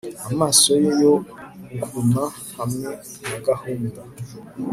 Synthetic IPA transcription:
amasojejoŋ̩ɡʷuna | haminaɡahon̩da

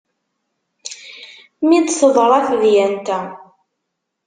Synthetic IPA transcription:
mid̪səðˤɾˤɑθðjænt̪æ

